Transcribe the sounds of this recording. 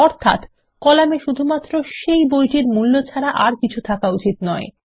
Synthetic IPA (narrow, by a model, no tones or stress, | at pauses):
ɔɾt̪ʰa̰t̪ | kɔlameʃud̪ʱumat̪ːɾoʃejbojʈiɾmulːot͡ɕʰaɾaʔaɾkit͡ɕʰut̪ʰakaut͡ɕit̪nɔe